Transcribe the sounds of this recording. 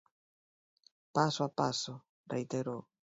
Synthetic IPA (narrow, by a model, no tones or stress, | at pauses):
pasoapaso | rḛjt̪eɾo